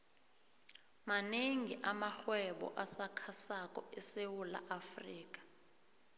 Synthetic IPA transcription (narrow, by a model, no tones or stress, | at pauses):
maneŋiʔamaxwɛɓɔ̰ʔasakʰasakʼɔɛsewula̰ʔafriːk̬ḁ